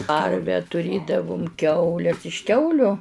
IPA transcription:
ˈkɐrʲʋʲɛ tʊˈrʲeːdɐʋʊm ˈkʲɛʊlʲɛs ɪʃ ˈkʲɛʊlʲʊ

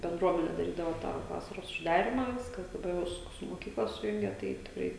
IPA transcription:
bʲɛnˈdruɔmʲɛnʲɛ dɐˈrʲiːdɐʋɐ tɑː ˈʋɑːsɐroːs ʊʒˈdɑːrʲɪmɑː ˈʋʲɪskɐs dɐˈbɐr ˈʋɐ sʊ sʊ moːˈkʲiːklˠɐ sʊˈjʊŋʲɡʲɛ ˈtɐɪ tʲɪkˈrɐɪ

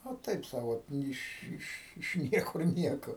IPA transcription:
ɐ ˈtɐɪp ˈsɐʊ ˈoːt ɪʃ ˈɪʃ ɪʃ ˈnʲiɛkʊr ˈnʲiɛkoː

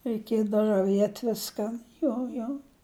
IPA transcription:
rʲɛɪˈkʲiɛdɐw rɐˈʋʲiɛtʲ ˈʋʲɪskɐn ˈjoː joː

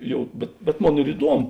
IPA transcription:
ˈjɛʊ bʲɛt bʲɛt ˈmoːn ɪr ɪˈduɔmʊ

